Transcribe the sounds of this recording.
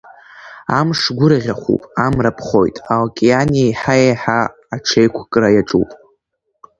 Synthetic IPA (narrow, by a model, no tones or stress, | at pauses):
amʂɡʷʊɾɨʁʲaχʷṵpʼamrapʰχo̞̰jtʼalkʲʼianijajħajejħaː | ʈ͡ʂʰejkʷʰkʼrajaʈ͡ʂʼṵpʼ